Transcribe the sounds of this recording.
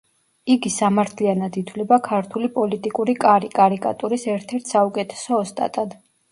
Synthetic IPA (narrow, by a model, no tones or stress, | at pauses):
iɡisamaɾt̪ʰlianad̪it̪ʰwlɛbakʰaɾt̪ʰulipʼɔlit̪ʼikʼuɾikʼaɾikʼaɾikʼa̰t̪ʼuɾisɛɾt̪ʰɛɾt̪ʰsaukʼɛt̪ʰɛ̥sɔːst̪ʼa̰t̪ʼad̪̥